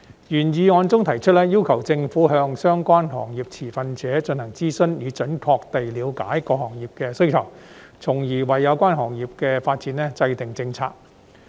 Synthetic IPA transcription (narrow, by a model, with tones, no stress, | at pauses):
jyː˨˩njiː˨˧ŋɔː˨˧nt͡sʊ˥ŋt̪ʰɐ˨˩jt͡ʃʰɵ˥t̚lɛː˥jiː˥wkʰɐ˨˩wt͡sɪ˧ŋfuː˨˥ɦœː˧ŋsœː˥ŋkʷaː˥nɦɔ̰ː˨˩ŋjiː˨˩p̚t͡sʰiː˨˩fɐ˧nt͡sɛː˨˥t͡ʃɵ˧nhɐ˨˩ŋt͡siː˥sɵ˥njiː˨˧t͡ʃɵ˨˥nkʰɔː˧k̚t̪e˨jliː˨˧wka̰ː˨˥jkɔː˧hɔː˨˩ŋjiː˨˩p̚kɛː˧sɵ˥ɥkʰɐ˨˩w | t͡sʰʊ˨˩ŋjiː˨˩wɐ˨jːɐ˨˧wkʷaː˥nɦɔː˨˩ŋjiː˨p̚kɛː˧faː˧t̚t͡siː˨˥nlɛː˥t͡sɐ˧jt̪ɪ˨ŋt͡sɪ˧ŋt͡sʰa̰ː˧k̚